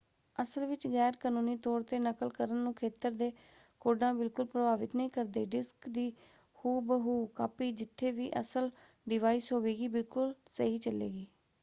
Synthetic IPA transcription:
əsəlʋɪt͡ʃɣɛːɾkaːnũːniːt̪ɔːɾt̪eːnəkəlkəɾənːũːkʰeːt̪əɾd̪eː | koːɖãːbɪlkʊlpɾəbaːʋɪt̪nəĩːkəɾd̪eːɖɪskd̪iː | huːbəɦuːkaːpiːd͡ʒɪt̪ʰːeːʋḭːʔə̰səl | ɖɪʋaːiːsɦoːʋeːɡiːbɪlkʊlsəɦiːt͡ʃəlḛːɡiː

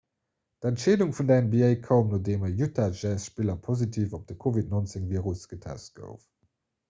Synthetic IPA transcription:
d̥ɛntʃeːduŋfundæɪnəbiɛɪkʰɐʊmnoːdeːmɐjutʰaʒɛsʃpilɐpʰozitʰiːfop̚d̥əkʰovitnont͡seŋviːəʁusɡ̥ətʰɛ̰st̚ɡ̥ə̰ʊf

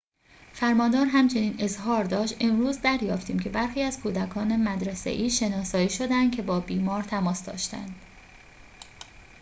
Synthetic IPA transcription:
fæɾmɒːnd̪ɒːɾɦæmt͡ʃʰe̞niːne̞zɦɒːɾd̪ɒːʃt̪ʔe̞mɾuːzd̪æɾjɒːft̪ʰiːmcʰe̞bæɾxiːæz̥kʰuːd̪ækʰɒːne̞mæd̪ɾesḛʔiːʃe̞nɒːsɒːiːʃo̞d̪ænd̪̚cʰe̞bɒːbiːmɒːɾt̪ʰæmɒːsd̪ɒ̰ːʃt̪æ̰nd̪̥

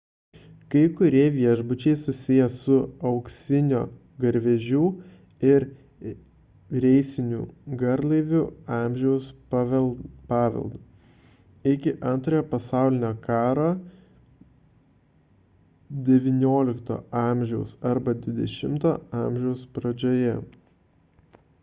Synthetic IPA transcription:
kɐɪkʊɾʲiɛʋʲiɛʒbʊt͡ʃʲɛɪsʊsʲɪjɛsʊɐʊksʲɪnʲo̰ː | ɡɐɾʲʋʲɛʒʲuː | ɪɾ | ɾʲɛɪsʲɪnʲṵːɡɐɾlˠɐɪʋʲʊɑːmʲʒʲɛʊs | pɑːʋʲɛ̰lˠd̪uː | ɪkʲɪʔɐnt̪ɾoːjoːpɐsɑˑʊlʲɪnʲoːkɑːɾoː | d̪ʲɛʋʲɪnʲoːlʲɪkt̪o̰ːɑːˑmʲʒʲɛʊsɐɾbɐd̪ʲʋʲɪd̪ʲɛʃʲɪmt̪o̰ːɑːˑmʲʒʲɛʊspɾɐd͡ʒʲoːjɛ

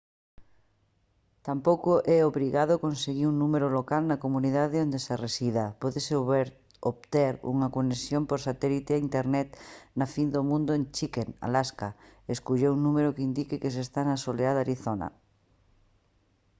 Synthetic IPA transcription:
t̪ampowkoʔɛoβɾiɣað̞okonseɣiɾuŋnumeɾolokalnɐkomuniðaðeond̪eseresiðapɔðesɾ | oβt̪ɛɾṵŋɐkonesjompoɾsat̪ɛlit̪eaint̪eɾnɛt̪nafind̪omũnd̪ʊent͡ʃikena̰laskaeskuʎeuŋnũmeɾʊkeind̪ikɪkes̬est̪anɐsoleaðaɾiθonɐ̰

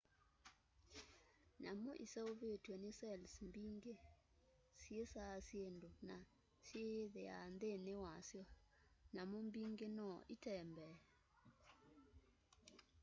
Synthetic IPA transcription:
namɔʔḭsaovetenɪsɛlsmbiŋɡe | sjesasjendona | sjeðeand̪enewasjɔ | namombiŋɡenɔʔitɛmbɛ

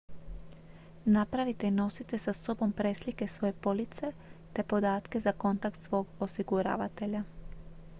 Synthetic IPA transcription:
napɾaʋit̪e̞ino̞sit̪e̞saso̞bo̞mpɾe̞slike̞sʋo̞je̞po̞lit̪se̞t̪e̞po̞d̪aːt̪ke̞zako̞nt̪ak̚t̪sʋo̞ːɡosiɡuɾa̰ːʋat̪e̞ʎa

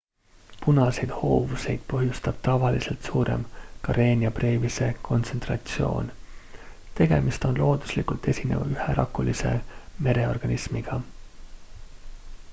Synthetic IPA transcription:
punɑse̞jd̪̥ho̞ːvuse̞jd̪̥̚pɤɦjust̪ɑb̥t̪ɑvɑlise̞lt̪suːɾe̞̰mkɑɾe̞ːnʲiɑprɾe̞ːvise̞kʰo̞nt̪se̞nt̪rɑt̪sio̞̰ːn | t̪e̞ɡe̞mist̪o̞nlo̞ːd̪̥uslikult̪e̞sʲine̞̰vɑ̰yheɾʔɑkːulise̞̰me̞ɾe̞o̞rɡ̥ɑnismiɡ̥ɑ

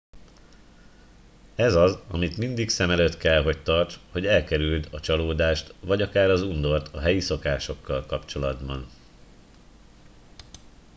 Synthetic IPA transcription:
ɛzɒzɒmit̪mind̪iksɛmɛløːt̪kɛlɦo̞ct̪ɒrt͡ʃho̞ɟɛlkɛɾyld̪ɒt͡ʃɒloːd̪aːʃt̪vɒɟɒkaːɾɒzund̪o̞rt̪ʰɒɦɛjiso̞kaːʃo̞kːɒlkɒpt͡ʃo̞lɒd̪bɒn

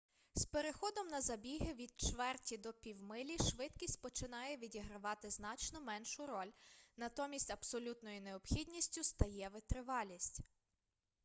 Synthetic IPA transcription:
speɾexɔd̪ɔmnɐzɐbʲiɦɪʋʲid̪̚t͡ʃʋɛrtʲid̪ɔpʲiwmɪlʲiʃʋɪt̪kʲisʲtʲpɔt͡ʃɪnɑjɛʋʲidʲiɦɾɐʋɑt̪ɪznɑt͡ʃnɔmɛnʃʊɾɔlʲnɐt̪ɔmʲisʲtʲɐbsɔlʲut̪nɔjʊneɔbxʲidʲnʲisʲtʲʊst̪ɐjɛʋɪt̪ɾɪʋɑlʲisʲtʲ

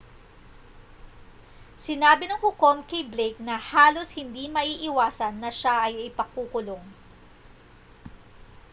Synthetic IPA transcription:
sɪnaːbɪnɐŋhʊkomkɐjblejk̚nɐhaːlo̞shɪnd̪imɐʔiːʔɪwaːsɐnːɐʃaʔɐjɪpɐkːuːkʊloŋ

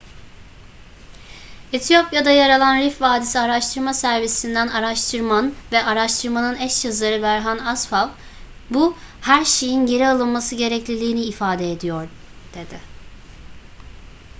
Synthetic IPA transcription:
et̪ʰijo̞pjad̪ajaɾalˠanɾifvaːd̪isiaɾaʃt̪ʰɯɾmasæɾvisind̪ænaɾaʃt̪ʰɯɾmanvɛʔaɾaʃt̪ʰɯɾmanɯnɛʃjazˠaɾɯbæɾɦanasfalˠ | buhæɾʃe̞jinɟe̞ɾialˠɯnˠmasɯɟe̞ɾɛclʲilʲiːniːfaːd̪eed̪ijoɾ | d̪̥e̞d̪ɪ

